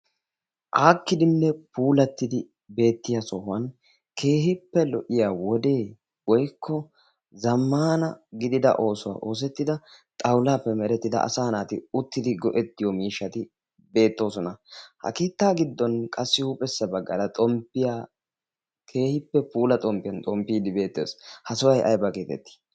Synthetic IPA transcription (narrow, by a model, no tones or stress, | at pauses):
ʔaːkːɪd̪ɪnːɛpuːlɐt̪ːɪd̪ɪ | be̞ːt̪ːɪjasɔhʊɐn | kʰe̞ːhɪpːɛlɔʔɪjaːwɔd̪e̞ː | wɔjkʰːɔ | zɐmːaːnɐɡɪd̪ɪd̪ɐ̰ʔo̞ːsʊwa̰ːʔo̞ːs̬ɛt̪ːɪd̪ɐt̪ʼɐwlaːpːɛmɛɾɛt̪ːɪd̪ɐ̰ʔɐ̰saːnaːt̪ɪʊt̪ːɪd̪ɪɡɔʔɛt̪ːɪjɔmiːʃːɐt̪ɪ | be̞ːt̪ːo̞ːsɔnɐhɐ̰keːt̪ːaːɡɪd̪ːɔnkʼɐsːɪhupʼɛsːɐbɐɡːɐlɐt̪ʼɔmpːɪja | kʰe̞ːhɪpːɛpuːlɐt̪ʼɔmpːɪjɐnt̪ʼɔmpːiːd̪ɪbe̞ːt̪ːḛːshɐsɔwɐjʔɐ̰jbɐkeːt̪ɛ̰t̪ːɪ̥